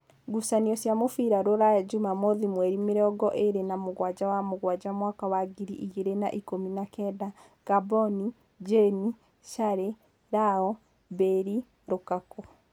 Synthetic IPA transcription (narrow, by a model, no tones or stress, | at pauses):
ɡusaniɔsjamofiɾaɾoɾajad͡ʒumamɔðimwɛɾimeɾɔːɡɔʔeɾenamoɣwad͡ʑawamoɣwad͡ʑamwakawaɡiɾiʔiɣeɾena̰ʔikominakɛda | ɡ̥abɔni | d͡ʒeni | ʃaɾe | ɾaɔ | beɾi | ɾokakɔ